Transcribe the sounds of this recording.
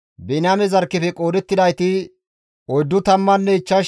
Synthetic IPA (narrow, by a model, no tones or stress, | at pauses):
bɛnɪamɛzɐɾkːɪfɛkʼo̞ːd̪ɛt̪ːɪd̪ɐjt̪ɪ | ɔjd̪ːʊt̪ɐmːɐnːɛɪt͡ʃːɐ